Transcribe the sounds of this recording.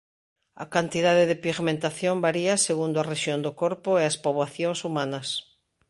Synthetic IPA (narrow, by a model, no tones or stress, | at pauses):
a̰kant̪iðaðeðepiɣmẽnt̪aθjombaɾiaseɣund̪oareʃjond̪okoɾpoeaspoβlaθjoŋsumãnas